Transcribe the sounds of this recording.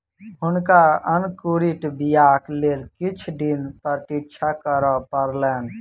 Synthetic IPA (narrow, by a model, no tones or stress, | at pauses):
ɦʊnkaənkuɾiʈbijaklelkit͡ʃʰd̪inpəɾt̪ikt͡ʃʰakəɾɔpəɾlɛːn